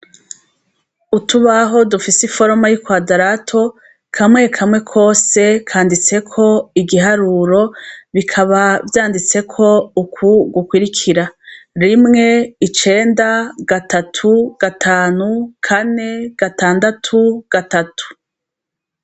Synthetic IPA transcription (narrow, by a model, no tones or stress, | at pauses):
utuβaɦo̞dufisifo̞ɾomajikwaːdaɾatʰo̞ | kʰamŋe̞kʰamŋe̞kʰo̞ːse̞kʰaːndit͡se̞kʰo̞iɡiɦaɾuːɾo̞βikʰaβavjaːndit͡se̞kʰo̞ukʰuɡukwiɾikʰiɾaɾimŋe̞it͡ʃe̞ːndaɡatʰatʰuɡ̥atʰaːnukʰane̞ɡ̥ataːndatʰuɡ̥atatʰu̥